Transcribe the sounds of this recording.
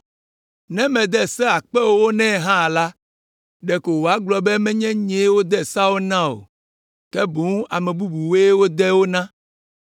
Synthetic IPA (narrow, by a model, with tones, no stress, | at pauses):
nɛ̃˦mɛ̃˨d̪ɛ˦sɛ˦a˨k͡pɛ˦wo˦wo˦nɛ̃˦˨ɦã˦˨la˦ | ɖɛ˨ko˨wo˨a˨˦ɡ͡blɔ˨bɛ˦mɛ̃˦ɲɛ̃˦ɲɛ̃˨˦wo˦d̪ɛ˦˨sa˦wo˦nã˦o̰˨ | kɛ˦bo˨ŋ˦ʔa˨mɛ̃˨bu˦bu˨we˦wo˦d̪ɛ˦wo˦nã˦